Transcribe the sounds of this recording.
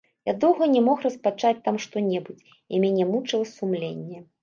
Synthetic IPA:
jad̪ɔwɣɐnʲɛmɔxrɐspat͡ʂat͡sʲt̪amʂt̪ɔnʲɛbut͡sʲ | imʲanʲɛmut͡ʂɨlˠɐsumlʲenʲːɛ

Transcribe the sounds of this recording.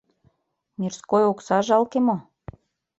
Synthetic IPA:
nʲirskojoksɑʒɑlkemo

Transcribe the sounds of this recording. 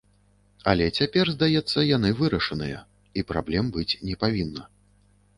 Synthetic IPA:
ɐlʲɛt͡sʲapʲɛrzd̪ajɛt̪sːɐjanɨvɨɾɐʂɐnɨjɐ̰ | ipɾa̰blʲɛmbɨt͡sʲnʲɛpavʲinːɐ

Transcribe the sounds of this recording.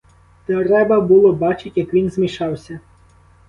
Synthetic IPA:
t̪ɔɾɛbɐbʊlˠɔbɑt͡ʃɪtʲjɐkʋʲinzmʲiʃɑwsʲɐ

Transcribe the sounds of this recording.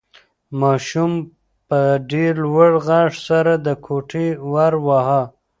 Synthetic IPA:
mɑʃum | pəɖeɾwəɽɣɑʂsaɾad̪əkʰoʈʰewaɾwaɦa

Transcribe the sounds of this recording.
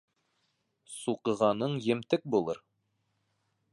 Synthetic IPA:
suqɤ̆ʁɑnɤɴjɘ̆mt̪ɘk̚bulˠɤɾ

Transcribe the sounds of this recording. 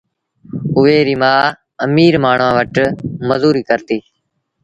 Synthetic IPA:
ʊʋeːɾiːmãː | əmiːɾmaːɳ̤ʋãːʋəʈməzuːɾiːkəɾt̪iː

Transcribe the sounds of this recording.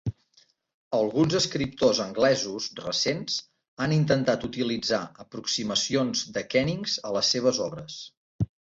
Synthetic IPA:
əlˠɣunzəskɾip̚t̪ozəŋɡlɛzuzrə̰senz | anint̪ənt̪at̪ut̪ilid͡zaəpɾuksiməsionzd̪əkɛniŋzələsːeβ̞əzɔβɾəs

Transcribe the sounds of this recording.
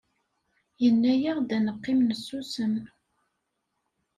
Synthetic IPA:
jənːæjəʁd̪ænəqːɪmnəsːusəm

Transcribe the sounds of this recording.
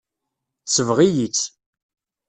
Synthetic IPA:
θsəvʁijit͡sː

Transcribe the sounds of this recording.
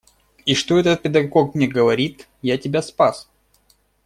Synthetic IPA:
iʂt̪oɛt̪ət̪̚pʲɪd̪ɐɡokmnʲeɡəvɐɾʲit̪ | jatʲɪbʲaspas

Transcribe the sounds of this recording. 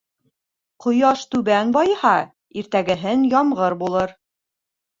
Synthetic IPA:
qŏjɑʃt̪ʉβænbɑjɤhɑ | iɾt̪æɡɘ̆ɦɘnjɑmʁɤɾbulˠɤɾ

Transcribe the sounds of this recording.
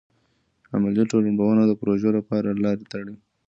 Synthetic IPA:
a̰maljaʈolaɳbawənad̪əpɾoʒalapɑɾalɑɾet̪aɽi

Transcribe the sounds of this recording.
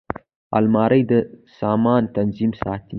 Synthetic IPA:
a̰lmɑɾəjd̪əsɑmɑnt̪anzimsɑt̪i

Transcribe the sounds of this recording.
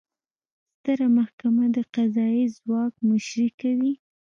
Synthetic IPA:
st̪əɾamahkamad̪əqazɑizwɑk̚mʊʃɾikawi

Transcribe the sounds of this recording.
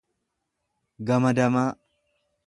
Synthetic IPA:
ɡɐmɐd̪ɐmaː

